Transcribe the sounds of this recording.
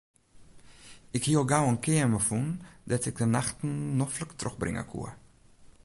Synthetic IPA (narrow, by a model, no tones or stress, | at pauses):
ɪkhiəlˠɡawənkɪəməfundɛtɪk̚dənaxtn̩ːɔfləktrøxbrɪ̰ŋə̰kʰṵə